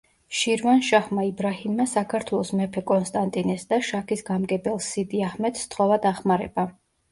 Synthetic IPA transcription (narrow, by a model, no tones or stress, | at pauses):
ʃiɾvanʃaχmaibɾahimːasakʰaɾt̪ʰwɛlˠɔsmɛpʰɛkʼɔnst̪ʼant̪ʼinɛsd̪aʃakʰisɡamɡɛbɛlˠsid̪iaχmɛt̪ʰst̪ʰχɔvad̪aχmaɾɛ̰ba